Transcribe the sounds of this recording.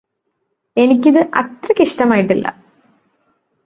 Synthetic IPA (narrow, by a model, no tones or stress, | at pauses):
e̞nikʲːiðɨʔɐtrɐkiʂʈɐmaːjiʈːilːɐ̰